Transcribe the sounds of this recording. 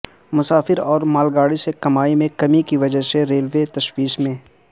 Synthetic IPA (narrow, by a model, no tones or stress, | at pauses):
mʊsaːfɪɾɔːɾmaːlɡaːɽisekɐmaːimẽkɐmikiʋɐd͡ʒəseɾeːlʋet̪ɐʃwiːʃmẽː